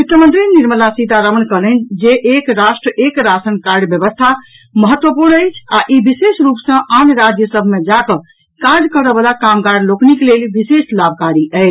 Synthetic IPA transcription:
ut̪jəmə̃nt̪ɾiniɾməlasit̪aɾəmənkələnd͡ʒeʔekɾasʈɾəʔekɾasənkaɾɖbjəbəst̪ʰa | məɦət̪ːwəpuɾnəɪt͡ʃʰaʔibisesɾupsə̃ʔanɾad͡ʒjəsəbʱmed͡ʒakə | kaɾd͡ʒkəɾəbəlakamkaɾɖlokniklelbiseslabʱkaɾiəɪt͡ʃʰ

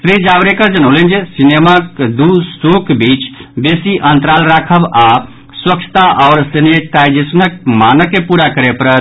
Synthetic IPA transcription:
sɾid͡ʒabɾekəɾd͡ʒənələnd͡ʒesinemakd̪usokbit͡ʃbesiʔənt̪ɾalɾakʰəba | swək̚t͡ʃʰə̥t̪aʔɔːɾsineʈ̪ad͡ʒesnək̚manəkːepuɾakəɾepəɾət̪

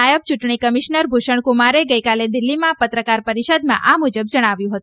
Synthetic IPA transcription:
ajəʋ̚t͡ʃuʈɳikəmiʃnəɾbʱuʃəɳ̃kumaɾeɡəjkaled̪ɪlːimãpət̪ɾəkaɾpəɾiʃəd̪mã̰ʔamud͡ʒəbd͡ʒəɽ̃aʋjũɦət̪ũ

